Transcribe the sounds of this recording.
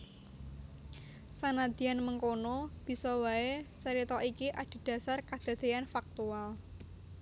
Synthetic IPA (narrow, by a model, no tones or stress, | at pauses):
sanad̪̥i̤anməŋkonob̥i̤sɔwaet͡ʃəɾit̪ɔʔikiʔad̪̥i̤d̪̥a̤sarkad̪̥a̤d̪̥e̤janfak̚t̪ual